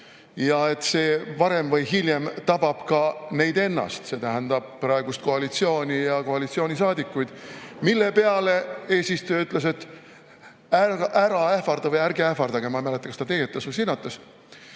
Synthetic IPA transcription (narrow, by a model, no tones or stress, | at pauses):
jɑe̞t̪ːse̞ːvɑɾe̞mvɤjɦilʲjemt̪ɑb̥ɑb̥kɑne̞jd̪e̞nːɑ̰st̪se̞t̪æɦænd̪̥ɑb̥̚prɑeɡust̪̚ko̞ɑlit̪sio̞ːnʲijɑko̞ɑlit̪sioːnʲisɑːd̪ikːˑujd̪̥milːe̞pe̞ɑle̞e̞ːsist̪øjyt̪ːˑle̞s̬e̞t̪ː | æʔæɾɑehfɑɾd̪ɑvɯjæɾɡeæhfɑɾd̪ɑɡ̥emɑmælet̪ːˑɑksd̪ɑt̪eɡet̪ːˑɑsvɯjs̬inːɑt̪ːˑɑs